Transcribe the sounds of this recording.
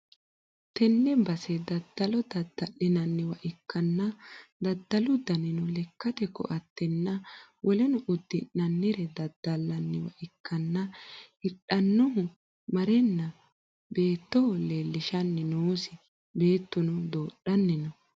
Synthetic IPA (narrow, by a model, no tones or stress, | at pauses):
t̪ɛnːɛbɐsɛd̪ɐd̪ːɐlɔd̪ɐd̪ːɐlːɪnɐnːɪwɐʔɪkːɐnːɐd̪ɐd̪ːɐlʊd̪ɐnɪnɔlɛkːɐt̪ɛkɔ̰ʔɐt̪ːɛnːɐwʔɔlɛnɔʔʊd̪ːɪnːɐnːɪɾɛd̪ɐd̪̥ːɐlːɐnːɪwɐ̰ʔɪkʰːɐnːɐɪɗɐnːɔhʊ | mɐɾɛnːɐ | be̞ːt̪ːɔɔleːlːɪʃɐnːɪnoːsɪ | be̞ːt̪ːʊnɔd̪oːɗɐnːɪnɔ